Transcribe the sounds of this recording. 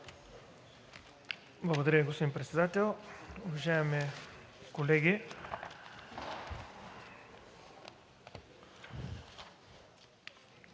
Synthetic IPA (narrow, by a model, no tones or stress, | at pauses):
blˠɐɡod̪ɐɾʲəiɡospod̪impɾɛt̪sɛd̪at̪ɛlˠʊvɐʒajɛmi | kolɛɡʲi